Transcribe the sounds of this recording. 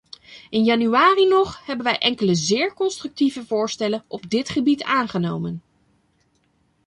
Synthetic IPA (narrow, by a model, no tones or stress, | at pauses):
ɪnjɑnyaːrinɔχhɛbənʋɛjʔɛŋkələzɪːɹkɔnstrɵk̚tivəvʊːɹstɛlənʔɔb̚dɪtχəbitaːnχənowmən